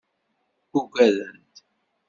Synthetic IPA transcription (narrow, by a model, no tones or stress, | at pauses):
uɡæðənt̪